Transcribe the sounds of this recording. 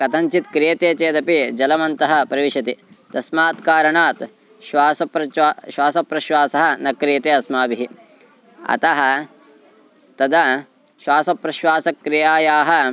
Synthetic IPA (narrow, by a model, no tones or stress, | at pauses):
kɐt̪ɐɲt͡ʃit̪kɾijɐt̪eːt͡ʃeːd̪ɐpid͡ʒɐlɐmɐnt̪ɐɦɐ̆pɾɐʋiʃɐt̪i | d̪ɐsmaːt̪kaːɾɐɳaːt̪ | ʃʋaːsɐpɾɐʃwaːsɐpɾɐʃʋaːsɐɦɐ̆nɐkɾijɐt̪eːɐsmaːbiɦi | ɐ̰t̪ɐɦɐ̆ | t̪ɐd̪ɐ | ʃʋaːsɐpɾɐʃʋaːsɐkːɾijaːjaːɦɐ